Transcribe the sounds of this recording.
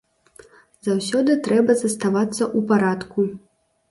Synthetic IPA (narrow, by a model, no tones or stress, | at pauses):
zawsʲɔd̪ɨt̪ɾɛbɐzɐst̪avat̪sːɐʔupaɾat̪ku